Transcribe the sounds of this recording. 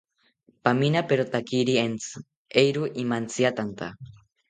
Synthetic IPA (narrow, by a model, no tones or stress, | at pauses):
paminapeɾot̪akiɾient͡sɨ̥ | ejɾuʔimant͡siat̪ant̪a̰